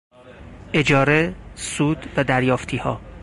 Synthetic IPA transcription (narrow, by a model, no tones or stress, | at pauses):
ʔe̞d͡ʒɒːɾesuːd̪væd̪æɾjɒːft̪ʰiːhɒ̰ː